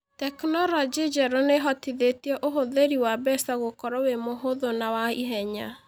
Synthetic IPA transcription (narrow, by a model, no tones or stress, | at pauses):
tɛknɔlɔd͡ʒid͡ʒɛɾoneɦɔtiðetiɛʔoɦoðeɾiwabɛsaɣokɔɾɔwemoɦoðonawaiɦɛɲa̰